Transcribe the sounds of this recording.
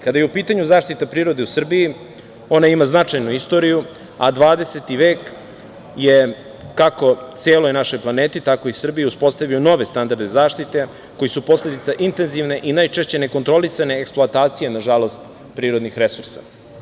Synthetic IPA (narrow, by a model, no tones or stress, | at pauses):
kad̪ajeupiːt̪aɲuzaːʂt̪it̪apɾiːɾo̞d̪e̞usr̩biji | o̞naimaznat͡ʂajnuist̪o̞ɾiju | ad̪ʋaːd̪ese̞t̪iʋeːk | jeː | ako̞t̪seːlo̞jnaʃo̞jplˠaneːt̪it̪ako̞isr̩bijeuspo̞st̪aʋijono̞ʋe̞st̪and̪aɾd̪ezaːʃt̪it̪e̞ | ko̞jisupo̞sle̞d̪it̪saʔint̪e̞nziʋne̞ʔinajt͡ʃeʃt͡ɕe̞neko̞nt̪ɾo̞lisane̞ːksplˠoat̪aːt̪sijenaʒalˠo̞st̪ | pɾiːɾo̞d̪nixɾe̞suɾsa̰